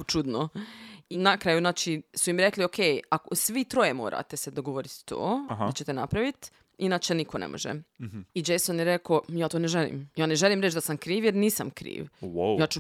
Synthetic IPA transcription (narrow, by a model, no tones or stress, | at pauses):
t͡ʃud̪noinakɾajuzaːt͡ʃisuimɾekliokʰejakosʋit̪ɾo̞jemoːɾa̰ːt̪e̞sed̪oɡo̞ʋoɾit̪t̪o̰ːat͡ɕe̞t̪enapɾaʋit̪ | inaːt͡ʃenikʰonḛmʔo̰ʒḛid͡ʒejsonjeɾekojaːt̪oneʒelḭmjaːneʒelˠiːmɾet͡ʃd̪asamkɾiːʋjeɾniːsamkɾḭːʋwojaːt͡ʃu